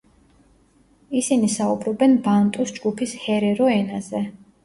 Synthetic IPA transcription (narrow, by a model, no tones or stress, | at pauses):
isinisaubɾɔbɛnbant̪ʼusd͡ʒɡupʰishɛɾɛɾɔɛnazɛ